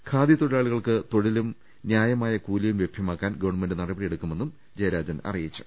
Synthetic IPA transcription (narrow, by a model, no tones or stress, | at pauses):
kʰaːd̪jit̪oɻɐaːɭuɣɐɭkɨt̪o̞ɻilum | njaːjɐmaːjɐkuːlɐjumʋjebʱjɐmaːkːaːnɡɐʋɐɳme̞nɖɨnɐrɐbɐɽije̞ɽukːume̞nːum | d͡ʑɐjɐɾaːd͡ʑɐnɐ̰rijit͡ɕːu̥